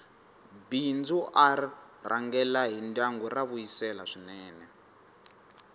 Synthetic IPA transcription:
bind͡zuʔarira̰ŋɡɛlaɦindaŋɡɔraβuisɛlaʂinɛːnɛ

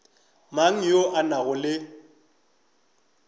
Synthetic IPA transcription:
maŋ̩joʔanaɣʊlɪ

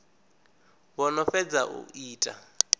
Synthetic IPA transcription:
βɔnɔfɛd͡zaʔṵʔiːtʼa̰

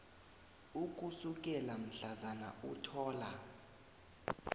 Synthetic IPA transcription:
uk̬ʼusuk̬ʼɛlam̩ɬazana̰utʰɔːla

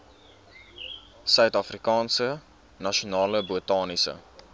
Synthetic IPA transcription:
sœɥtɐfrikɑːnsə | nɐʃionɑːləbutɑːnisə̰

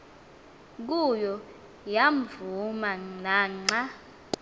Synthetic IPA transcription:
k̬ujɔ | jaɱvumanaŋ͡ǀa

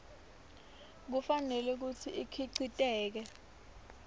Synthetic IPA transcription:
k̬ufanɛlɛk̬ut͡sʰiʔikʰiǀitʼɛːk̬ɛ

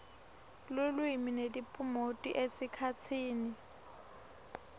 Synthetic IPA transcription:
lʊlwiminedipʼʊmotʼiʔesɪkʰat͡sʰiːnɪ

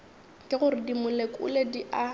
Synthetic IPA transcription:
kʼɪɣʊɾɪdimʊlekʼʊ̰lediʔa

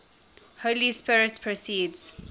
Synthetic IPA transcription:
holispɪɹɪtpʰɹosiːdz̥

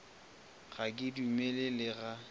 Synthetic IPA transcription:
ɣakʼɪdumelelɪɣa

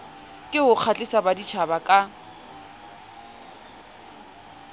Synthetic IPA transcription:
kʼɪɦʊq͡χʰat͡ɬʼɪsabadit͡ʃʰabakʼa

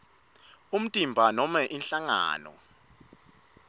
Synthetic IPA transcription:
um̩tʼimbʱanɔmaʔinɬaŋa̰ːnɔ̰

